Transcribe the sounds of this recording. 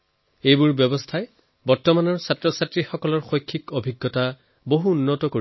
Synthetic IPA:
ejbʊɹbjɔbɔstʰaj | bɔɹtɔmanɔɹsatɹɔsatɹixɔkɔlɔɹxojkʰːikobʱiɡːɔta | boɦuunːɔtɔkoɹi

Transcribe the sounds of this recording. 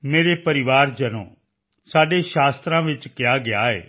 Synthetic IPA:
meːɾeːpəɾɪʋaːɾd͡ʒənõ̰ː | saːɖeːʃaːst̪ɾãːʋɪt͡ʃkɪjaːɡɪaːḛː

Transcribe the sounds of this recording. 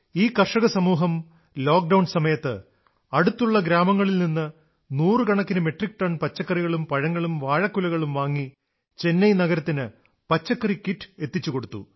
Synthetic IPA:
iːkɐrʂɐɣɐsɐmuːɦɐm | lo̞ːk̚ɖɐwnsɐmɐjɐt̪ːɨ | ɐɽut̪ːuɭːɐɡɾaːmɐŋːɐɭilninːɨ | nuːrɨɡɐɳɐkːinɨme̞ʈrik̚ʈɐɳpɐt͡ɕːɐkːɐriɣɐɭumpɐɻɐŋːɐɭumʋaːɻɐkːulɐɣɐɭumʋaːŋːi | t͡ɕe̞nːɐjnɐɣɐɾɐt̪ːinɨ | pɐt͡ɕːɐkːɐrikiʈːe̞t̪ːit͡ɕːuko̞ɽut̪ːṵ

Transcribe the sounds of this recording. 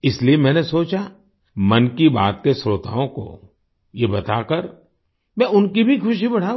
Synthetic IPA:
ɪsliemɛ̃ːnesoːt͡ʃa | mɐnkiba̰ːt̪̚kesɾoːt̪a̰ːõko̰ | jebɐt̪akɐɾ | mɛ̃ːʊnkibʱikʰʊʃibɐɽ̤aː

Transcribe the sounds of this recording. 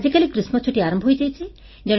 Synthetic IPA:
d͡ʑikalikɾismɔt͡ʃʰuʈiaɾɔmbʱɦojd͡ʒajt͡ʃʰi | d͡ʒɔɽ̃

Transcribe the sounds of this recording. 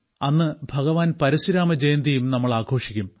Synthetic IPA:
ɐnːɨbʱɐɣɐʋaːnpɐɾisiɾaːmɐd͡ʑeːnd̪ɐjumnɐmːɐɭaːkʰo̞ːʂikʲːum

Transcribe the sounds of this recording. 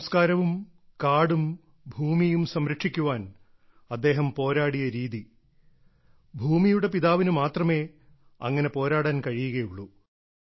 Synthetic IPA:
mskaːɾɐʋum | kaːɽum | bʱuːmijumsɐmɾɐkʂikʲːuʋaːn | ɐd̪ːe̞ːɦɐmpo̞ːɾaːɽijɐɾiːði | bʱuːmijuɽe̞piðaːʋinumaːt̪rɐme̞ː | ɐ̰ŋːɐne̞po̞ːɾaːɽaːnkɐɻijuɣɐjuɭːu

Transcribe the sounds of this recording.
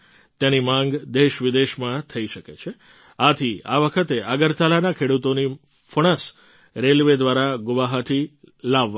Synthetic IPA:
t̪janimãŋɡd̪eʃʋɪd̪eʃmãt̪ʰəiʃəket͡ʃʰe | at̪ʰia̰ʋəkʰət̪eʔaɡəɾt̪alanakʰeɽut̪oni | fəɽ̃əs | ɾelʋed̪ʋaɾaɡʊʋaɦat̪ʰilaʋː

